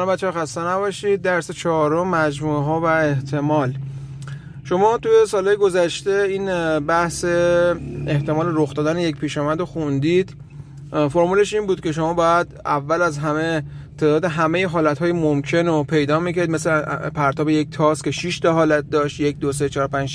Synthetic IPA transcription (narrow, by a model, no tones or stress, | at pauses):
nmbæt̪ʃʰæɾxæst̪enæbɒʃiːd̪̚d̪æɾset͡ʃʰɒɾomːæd͡ʒmueɦɒːvæeht̪ʰe̞mɒːl | ʃo̞mɒːt̪uje̞sɒːlhɒːjeɡo̞zæʃt̪e̞iːnbæhse | eht̪e̞mɒːleɾoxd̪ɒːd̪ænejec̚pʰiːʃɒːmæd̪ɾoxund̪iːd̪ | foɾmuːle̞ʃiːnbuːd̪̚cʰe̞ʃo̞mɒːbɒːjæd̪ævːælæzɦæme̞t̪ʰe̞ːd̪ɒːd̪eɦæme̞jeɦɒːlæt̪hɒːjemomkʰe̞nopʰe̞jd̪ɒːmicʰæɾid̪̚meslepʰæɾt̪ʰɒːbejec̚t̪ʰɒːskʲʰe̞ʃiʃd̪eɦɒːlæt̪̚d̪ɒːʃt̪jec̚d̪oset͡ʃʰɒːɾopænd͡ʒ